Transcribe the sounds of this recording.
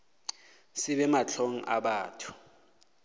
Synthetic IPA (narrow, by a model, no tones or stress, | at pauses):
sɪɓɛmat͡ɬʰoŋ̩ʔa̰ɓaːtʰu̥